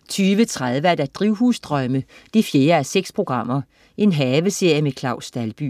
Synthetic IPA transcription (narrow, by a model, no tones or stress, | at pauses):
t͡sʰyːʋət͡sʰʁað̞ˠʋəæd̥æd̥ʁiʊɦuːsd̥ʁœməd̥ifje̝ːɐæseɡ̥spʰʁo̝ɡ̥ʁɑ̈m̰ɐ | ʔe̝nɦɛːʋəse̝ɐ̰jəmekʰlɑ̈ʊsd̥ælb̥y̰